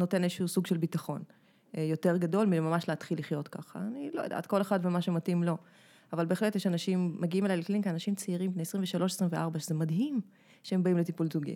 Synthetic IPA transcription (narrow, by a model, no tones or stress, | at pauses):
no̞te̞nezəʃusuɡʃelbitaχo̞n | jo̞teʁɡado̞lmilmamaʃleatχilːiχjo̞tkaχaːniloja̰da̰ːtko̞leχadvemaʃematimlo̞ | avalbe̞ːχletjeʃanaʃimːeɡiimelajlekliŋkeanaʃimt͡seiʁimbnejesʁĩɱveʃalo̞ʃesʁimveʔaʁbaʃezemadɦim | ʃeembaimletipulzuɡḭ